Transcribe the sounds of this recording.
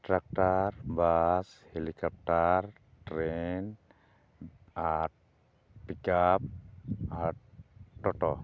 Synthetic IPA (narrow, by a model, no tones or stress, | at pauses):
ʈɾak̚tarbashelikɔp̚ʈar | ʈɾen | at̚ | pikap̚at̚ːɔʈɔ